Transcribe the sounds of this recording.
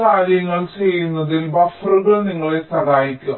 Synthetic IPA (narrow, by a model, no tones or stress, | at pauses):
kaːɾjɐŋːɐɭt͡ɕejːunːɐðilbɐfruɣɐɭniŋːɐɭesɐdaːjikʲːuɣɐ